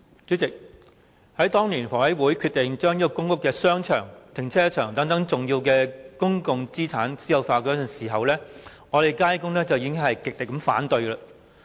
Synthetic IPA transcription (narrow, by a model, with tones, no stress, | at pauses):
t͡sy˨˥t͡sɪ˨k̚ | hɐ˨˥jt̪ɔː˥ŋliː˨˩nfɔː˨˩ɐ˨˥jwuː˨˥jkʰy˧t̪ɪ˨ŋt͡ʃœː˥ŋjiː˥kɔ˨˧kʊ˥ŋkʊ˥kːɛː˧sœː˥ŋt͡ʃʰœ̰ː˨˩ŋt̪ʰɪ˨˩ŋt͡sʰɛː˥t͡ʃʰœː˨˩ŋt̪ɐ˨˥ŋt̪ɐ˨˥ŋt͡sʊ˨ŋjiː˧wkɛː˧kʊ˥ŋkʊ˨ŋt͡siː˥t͡sʰaː˨˥nsiː˨˥jɐ˨˧wfaː˧kɔː˨˥˨siː˨˩ɦɐ˨wlɛː˥ | ŋɔː˨˧ɾe˨jkaː˥jkʊ˥ŋlɛː˥t͡sɐ˨wjiː˧˥ɪ˥ŋhɐ˨jkɪ˨k̚lɪ˨kːɐ˨˧˥mfa̰ː˨˥nt̪ɵ˧ɥlaː˧